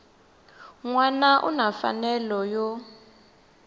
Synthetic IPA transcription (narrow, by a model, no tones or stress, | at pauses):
ŋwanaʔṵnafa̰nɛlɔjɔ